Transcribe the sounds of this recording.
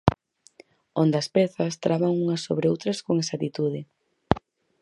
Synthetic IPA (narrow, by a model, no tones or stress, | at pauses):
ond̪ɐspɛθɐst̪ɾaβaŋuŋɐso̰βɾɪowt̪ɾɐskoŋesat̪it̪uðɪ